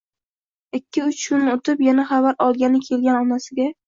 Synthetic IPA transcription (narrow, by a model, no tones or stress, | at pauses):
ɪkʲːɪʊt͡ʃkʰʊnɪot̪ʰɪpjanaχavaɾɒlˠɡʲanɪkʲʰe̞lɡʲanɒnasɪɡʲa